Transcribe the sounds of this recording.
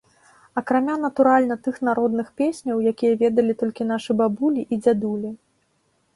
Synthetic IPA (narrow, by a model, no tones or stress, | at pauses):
ɐkɾamʲanɐt̪uɾalʲnɐt̪ɨxnaɾɔd̪nɨxpʲesʲnʲɐwjakʲijɐvʲɛd̪ɐlʲit̪ɔlʲkʲinaʂɨbabulʲiʔid͡zʲad̪ulʲi